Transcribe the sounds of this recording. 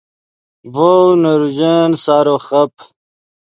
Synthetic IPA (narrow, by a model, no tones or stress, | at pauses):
vonɐɾuʑensaːɾoːχɐp